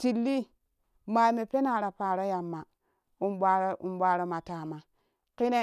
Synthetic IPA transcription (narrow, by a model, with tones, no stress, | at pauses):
ti˨lːi˦ | ma˨me˨pe˦na˨ɾa˨paː˨ɾo˦ja˨mːa˨ | u˦mba˦ɾo˦u˨mbʷa˨ɾo˦ma˨ta˨ma˨ | ki˦ne˦